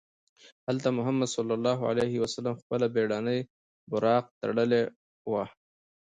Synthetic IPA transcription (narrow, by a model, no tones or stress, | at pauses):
halt̪amʊɦamːad̪sɑlːalːɑːɦʕa̰lehɪwasalamxpəlabeɽɑnəj | bʊɾɑːq̚t̪a̰ɽəle | wa